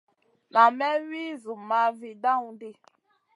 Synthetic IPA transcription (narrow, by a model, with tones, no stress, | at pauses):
na˨mɛ˦wi˦zu˨ma˨˦vi˨da˦ŋu˨di˦